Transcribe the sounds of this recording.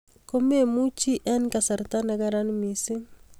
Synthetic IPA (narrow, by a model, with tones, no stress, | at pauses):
ko˦me˦mu˦t͡ʃi˦ʔɛ˦nka˨sa˨ɾt̪a˦na˨ɡa˦ɾa˦nmi˨si˦